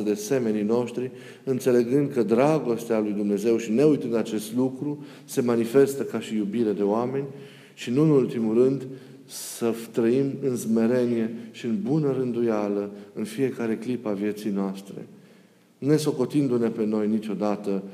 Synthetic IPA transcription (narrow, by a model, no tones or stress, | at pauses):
əd̪e̞se̞me̞nijno̞ʃt̪ɾi | ɨnt̪se̞le̞ɡɨnd̪̚kəd̪ɾaɡo̞st̪ealujd̪umne̞ze̞wʃine̞ujt̪ɨnd̪at͡ʃe̞st̪lukɾu | se̞manife̞st̪əkaʃijubiɾed̪e̞oame̞nʲ | ʃinuɨnult̪imurɨnd̪ | sət̪ɾəimɨnzme̞ɾe̞nije̞ʃiɨnbunəɾɨnd̪ujaləɨnfie̞kaɾe̞klipavje̞t̪sijnoast̪ɾe̞̰ | ne̞so̞ko̞t̪ind̪une̞pe̞no̞jnit͡ʃʲo̞d̪at̪ə